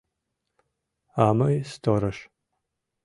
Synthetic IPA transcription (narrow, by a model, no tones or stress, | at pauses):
aːmɐjstʰoɾɐʃ